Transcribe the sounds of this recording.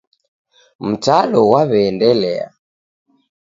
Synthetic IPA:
m̩t͡ʃaɗɔwaβɛːndɛlɛ̰a̰

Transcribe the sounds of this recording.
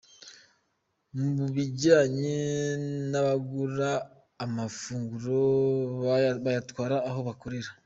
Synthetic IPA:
muβuβiɟaːɲi | naβaɡuɾaː | mafuːŋɡuɾo | βajatwaːɾaːɦo̞βakoɾeɾa

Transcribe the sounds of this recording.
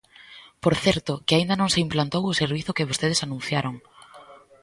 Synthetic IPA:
poɾθɛɾt̪ʊkɪaind̪ɐnõŋseimplant̪owʊseɾβiθʊkɪβost̪eð̞esanũn̟θjaɾoŋ

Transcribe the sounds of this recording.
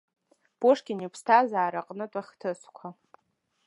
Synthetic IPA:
b̥oʂkʲɪnipʰstʰazaːɾaqʼnɨtʼaχʲtʰɨsʷʰkʷʰa

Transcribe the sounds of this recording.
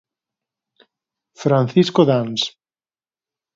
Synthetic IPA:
fɾan̟θiskoðans

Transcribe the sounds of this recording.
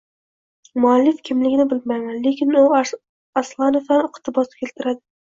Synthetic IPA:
mʊalːɪfkʲʰɪmlɪɡʲɪnɪbɪlmajmanlekʲɪnu | aslˠɑnofd̪anɪqʰt̪ʰɪbɒsɪ̥kʲʰelt̪ʰɪɾad̪ɪ

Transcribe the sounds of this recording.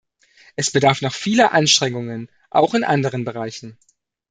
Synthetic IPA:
ʔɛsb̥ədaɐfnɔχfiːləʔanʃtʁ̥ɛŋʊŋən | ʔa̰ʊxɪnʔandəʁ̞ənbəʁ̞aɪçn̩

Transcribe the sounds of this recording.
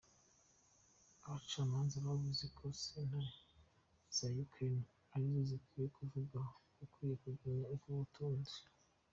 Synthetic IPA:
aβat͡ʃaːmaːnzaβaβuzikʰosena | sajukʰen | aɾizozikwiːjekʰuvuɡakukwiːjekuɡaɲaubɡuβutʰuːnzi

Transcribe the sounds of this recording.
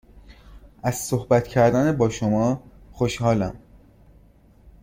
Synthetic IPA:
ʔæz̥sohbæt̪cʰæɾd̪ænebɒːʃomɒːxoʃhɒːlæm

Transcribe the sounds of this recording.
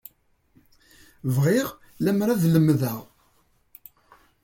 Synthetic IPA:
vʁiʁ | læmɾæðləmːðəʁ

